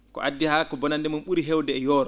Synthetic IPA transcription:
kɔ̰ʔadːihaːkɔbɔnandɛmunɓuɾiɦɛwdɛːjɔːɾɔ

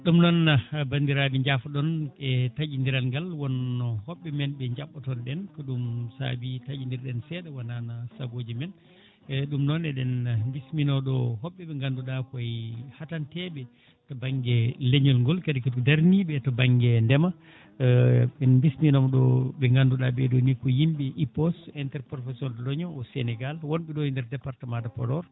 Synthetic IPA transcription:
ɗumnɔnabandiɾabiɲd͡ʒafɔɗɔnɛtad͡ʒindiɾalŋɡalwɔnːɔhɔɓːɛmɛnbɛɲd͡ʒaɓːɔtɔnɗɛnkɔɗumsa̰bitad͡ʒindiɾɗɛnsɛɗawananasaɡod͡ʒimɛn | ɗumnɔnɛɗɛnmbisminɔɗɔɦɔɓːɛɓɛŋɡanduɗakɔjhatantɛbɛ | tɔbaŋɡɛleɲɔlŋɡɔlkadɛkatdaɾnibɛtɔbaŋɡɛndɛma | ɓɛnmbisminɔmɗɔbɛŋɡanduɗabɛɗɔnikɔjimbiʔipɔstɛntɛɾpɾɔfɛsiɔnalɔɲɔɔsɛnɛɡalwɔnɓɛɗɔindɛɾdɛpaɾtamandapɔɾɔɾ

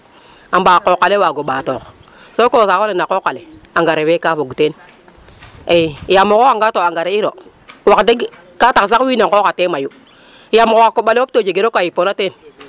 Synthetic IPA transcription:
ambaːkokalewaɡoɓaːtok | sokosakolenakokaleaŋɡaɾewekafoɡuten | ejamokoaŋɡatoaŋɡaɾeiɾo | wakte | kataks̬akwinakokatemaju | jamokkakoɓalewotod͡ʒeɡeɾokajiponaten

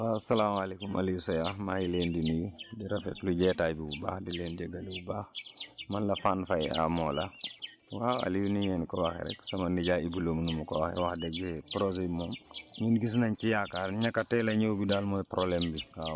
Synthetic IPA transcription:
asɐlaːmalekumʔa̰lisojamajilendinijudiɾafɛtluɟɛːtaːjbibuba̰ːhdileːnd͡ʒɛɡalibubaːxmanlafaːnfaja̰mɔːla | waa̰lijunijɛnkɔwaxɛ̰ɾɛ̰ksɐmandiɟaːibuloːmnumukɔwaxɛ̰waxdɛɡpɾozemomɲunɡis̬naɲt͡ʃijakaɾɲakatɛlaɲowbidalmopɾʔolɛmbia

